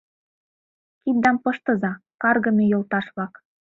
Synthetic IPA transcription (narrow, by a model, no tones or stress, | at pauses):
kit̪̚d̪ɑmpɤ̆ʃt̪ɤ̆zɑkɑrɣɤ̆mʲejolˠt̪ɑʃβlɑk